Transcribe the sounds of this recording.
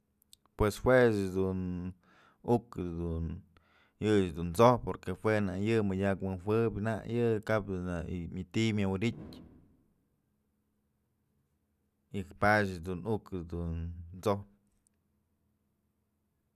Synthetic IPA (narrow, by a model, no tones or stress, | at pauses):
pweshwesd̪un | ukɨd̪un | jɨd̪unt͡sohpːoɾkehwenajɨmɨdʲakwɨnɦʷɨbʲna̰ʔjɨkap̚d̪una̰mʲat̪imʲjawɨɾitʲ | ikpaʃ̬d̪unukɨd̪unt͡sohp̚